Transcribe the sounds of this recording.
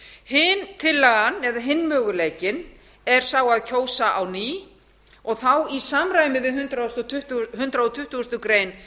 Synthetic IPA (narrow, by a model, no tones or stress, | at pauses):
hɪnt̪ʰɪlːaɣanɛðaɦɪnːmœːɣʏleːjcɪn | ɛɾ̥saːwaðcʰoːwsaʔawniː | ɔɣθawisamɾajmɪðɪɦʏnt̪ɾaɔst̪ɔt̪ʰʏht̪ɦʏnt̪ɾaɔt̪ʰʏht̪ʏst̪ʏkɾeːjn